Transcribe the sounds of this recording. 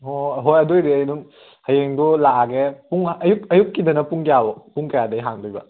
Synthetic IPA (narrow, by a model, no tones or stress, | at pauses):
ɦoɦojɐdojdiɐjnuŋ | hɐjeŋdulaaɡepuŋɐjuk̚ɐjukːidɐnɐpuŋkijabɔpuŋkɐjadɐjɦaŋdujbɐ̰